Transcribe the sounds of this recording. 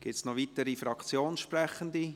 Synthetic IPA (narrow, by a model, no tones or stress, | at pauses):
ɡ̥ipsnɔʋit̪əɾifɾɑkt͡sjoːnʃprɛχənd̪i